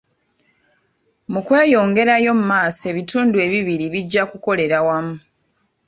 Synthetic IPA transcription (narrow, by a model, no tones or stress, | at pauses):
mukwe̞ːjo̞ːŋɡe̞ɾajo̞mumaːse̞βituːndue̞ːβiβiɾiβiɟːakuko̞le̞ɾawamu